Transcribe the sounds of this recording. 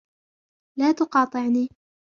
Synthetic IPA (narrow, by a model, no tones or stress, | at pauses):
laːt̪ʊqɑːt̪ˤɨʕniː